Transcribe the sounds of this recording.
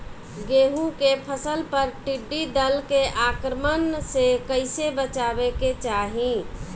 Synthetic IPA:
ɡeːɦũkepʰəsəlpəɾʈiɖːid̪əlkeʔakɾəmənsekəɪsebət͡ʃaːbeket͡ʃaːɦĩ

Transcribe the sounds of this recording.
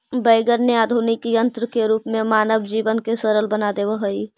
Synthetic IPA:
bəɪɡəɾneaːd̪ʱuːnɪkjə̃nt̪ɾəkeɾuːpmẽmaːnəbd͡ʒiːʋənkesəɾəlbənad̪eʋəɦəi

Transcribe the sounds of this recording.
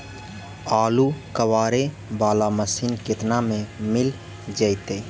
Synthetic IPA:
aːlukəʋaːɾe | baːlaməsinkɪt̪namẽmɪl | d͡ʒəjt̪e

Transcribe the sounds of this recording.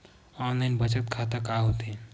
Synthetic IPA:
ɔnlajnbət͡ʃət̪kʰat̪əkaɦot̪e

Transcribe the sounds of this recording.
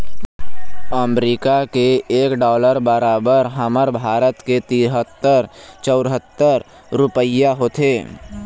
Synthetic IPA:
əmɾiːkakeeːkɖɔːləɾbəɾaːbəɾɦəməɾbʱaːɾət̪ket̪iːɾɦət̪ːəɾt͡ʃəʊɾɦət̪ːəɾ | ɾʊpəjaɦoːt̪ʰeː

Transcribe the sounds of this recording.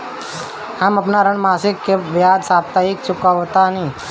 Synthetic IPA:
aməpnaɾəɳmaːsɪkːeʋjaːd̪saːp̚t̪aik̚t͡ʃʊkaʋot̪ani

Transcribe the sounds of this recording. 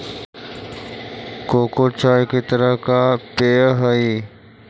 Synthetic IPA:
koːkot͡ʃaːjkit̪əɾəɦkapeːɦəiː

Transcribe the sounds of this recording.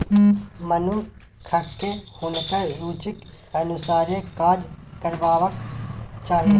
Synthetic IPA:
mɐnũ | kʰɐkːehunkəɾuːt͡ʃɪk | ɐnusaːɾẽkaːd͡ʒkɐɾʋaːʋəkt͡ʃaːɦeː

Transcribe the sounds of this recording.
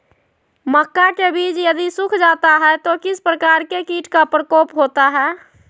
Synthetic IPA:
məkːakebiːt͡ʃjəd̪isʊkʰd͡ʒaːt̪aɦɛt̪okɪspɾəkaːɾkekiːʈkapɾəkoːpɦoːt̪aɦɛː

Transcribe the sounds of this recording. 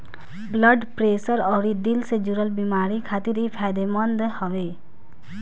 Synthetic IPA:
blʌɖpɾesəɾɔɾid̪ilsed͡ʒuɾəlbimaɾikʰat̪iɾipʰajd̪emɔnd̪hɔwe

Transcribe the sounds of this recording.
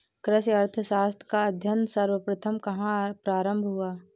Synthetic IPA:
kɾəsɐɾt̪ʰəʃaːst̪ʰkaɐd̪ʱjənsɐɾwəpɾɐt̪ʰəmkɐɦãpɾaːɾə̃mbʱɦuaː

